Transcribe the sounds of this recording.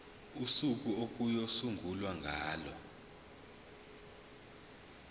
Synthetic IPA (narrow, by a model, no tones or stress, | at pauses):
usuk̬ʼuok̬ʼujosuŋɡʱulwaŋɡʱaːlɔ